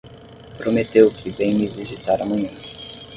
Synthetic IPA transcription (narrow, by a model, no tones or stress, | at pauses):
pɾomet̪ewkʰɪbẽj̃mɪvizit̪aɾɐmɐ̃ɲɐ̃